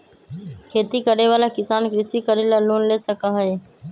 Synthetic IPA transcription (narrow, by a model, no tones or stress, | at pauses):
kʰeːt̪ikəɾeʋaːlaːkɪsaːnkɾɪsiːkəɾeːlaːloːnleːsəkaːɦəeː